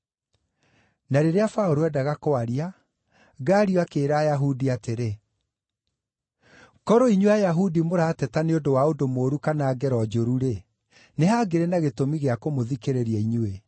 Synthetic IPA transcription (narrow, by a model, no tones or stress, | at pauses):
naɾeɾeafaoɾoɛdaɣakoaɾia | ɡaːɾioakeːɾaːjaɦudiateɾe | kɔɾɔiɲweajaɦudimoɾaːtɛtaneondowaodomoːɾukanaːɡɛɾɔd͡ʑoɾuɾe | neɦaɡeɾenaɣetomiɣeakomoðikeɾeɾiaiɲe